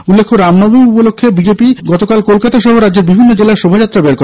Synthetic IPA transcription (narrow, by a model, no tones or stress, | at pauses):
ulːekʰːoɾamnɔbomupolokʰːebid͡ʑepiɡɔt̪okalkolkat̪aʃɔɦoɾadːd͡ʑeɾbibʱinːod͡ʑelaeɾʃobʱad͡ʑat̪ːɾabeɾko